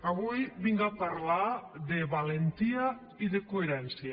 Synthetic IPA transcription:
aβujβiŋɡapaɾlaðeβalent̪ia | iðekoeɾɛnsja

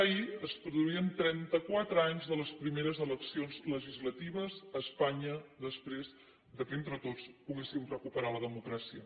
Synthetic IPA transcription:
əiəspɾuðuiənt̪ɾɛnt̪əkwat̪ɾəaɲzðələspɾimeɾəzələksionzləʒizlət̪iβ̞əzəːspaɲəðəspɾez | d̪əkent̪ɾət̪ot͡spuɣesimrəkupəɾaləðəmukɾasiə

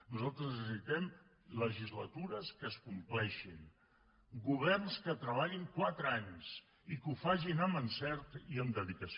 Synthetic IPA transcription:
nuzalˠt̪ɾəznsəsit̪ɛm | ləʒizlət̪uɾəskəskumplɛʃin | ɡuβ̞ɛrnskət̪ɾəβ̞aʎiŋkwat̪ɾəaɲs | ikufaʒinəmənsɛɾt̪iəmd̪əðikəs

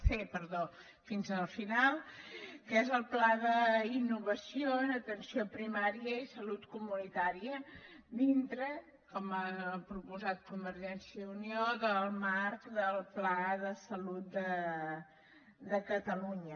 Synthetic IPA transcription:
sepəɾðo | finzəlˠfinalˠkezəlˠplaðəinːuβəsioənət̪ənsiopɾimaɾiəisəlut̪kumunit̪aɾiə | d̪int̪ɾə | kɔmapɾupuzat̪̚kumbəɾʒɛnsjəunioðəlˠmaɾkd̪əlˠplaðəsəlut̪̚d̪ə | d̪əkət̪əluɲə

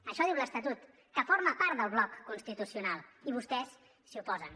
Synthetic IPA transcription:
əʃɔðiwləst̪ət̪ut̪ | kəfoɾməpaɾt̪d̪əlˠβlɔkːunst̪it̪usiunalˠiβust̪ɛsː | iupɔzən

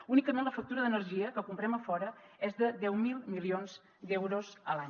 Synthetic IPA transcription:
unikəmenləfək̚t̪uɾəðənərʒiəkəkumpɾɛməfɔɾəɛzðəd̪ɛwmilˠmilionz̥ | d̪ɛwɾozəlaɲ

